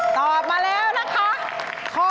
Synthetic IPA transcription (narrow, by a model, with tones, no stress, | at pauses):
t̪ɔː˨˩p̚maː˧lɛː˦˥˩wna˦˥kʰa˦˥ | kʰo˧˦˥